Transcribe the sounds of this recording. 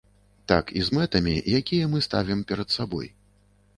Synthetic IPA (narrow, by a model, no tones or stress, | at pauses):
t̪akḭzmɛt̪ɐmʲḭjakʲijɐmɨst̪a̰vʲimpʲɛɾɐt̪sabɔ̰j